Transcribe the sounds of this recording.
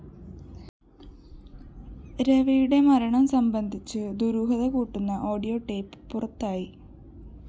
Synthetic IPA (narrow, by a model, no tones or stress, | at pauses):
ɾeʋijuɽe̞mɐɾɐɳɐmsɐmbɐnd̪ʱit͡ɕːɨd̪uɾuːɦɐðɐkuːʈːunːɐʔo̞ːɽijo̞ːʈːe̞ːpːɨ̥purɐt̪ːaːji